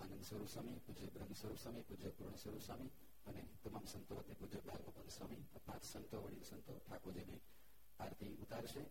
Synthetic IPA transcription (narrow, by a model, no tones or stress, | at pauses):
anənd̪səɾupsəmipud͡ʒəbɾəmːsəɾupsəmipud͡ʒəpuɾɳ̃əsəɾuswami | ənet̪əmamsənt̪oət̪ːepud͡ʒəbʱaɡmopənd̪samit̪ɔpãt̪sənt̪oʋəɽisənt̪oʈʰakod͡ʒene | paɾt̪ʰiut̪aɾʃe